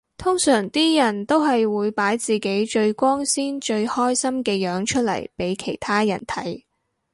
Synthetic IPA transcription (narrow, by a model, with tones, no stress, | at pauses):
t̪ʰʊ˥ŋsœː˨˩ŋt̪iː˥jɐ˨˩nt̪o˥wɦɐ˨jwuː˨˧jpaː˨˥jt͡siː˨ke˨˥jt͡ʃɵ˧ɥkʷɔː˥ŋsiː˥nt͡ʃɵ˧ɥhɔː˥jsɐ˥mkɛː˧jœː˨˥ŋt͡ʃʰɵ˥t̚lɐ̰˨˩jpe˨˥jkʰe˨˩jt̪ʰaː˥jɐ˨˩nt̪ʰɐ̰˨˥j